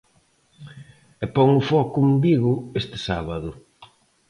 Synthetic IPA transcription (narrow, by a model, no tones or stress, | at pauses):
ɛpɔŋʊfɔkʊmbiɣʊest̪ɪ̥saβaðʊ